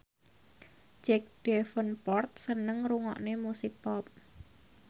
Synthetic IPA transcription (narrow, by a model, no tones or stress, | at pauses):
d͡ʒɛk̚ɖ̥ɛfənpɔrt̪̚sənəŋɾuŋɔ̰ʔnemusɪk̚pɔp̚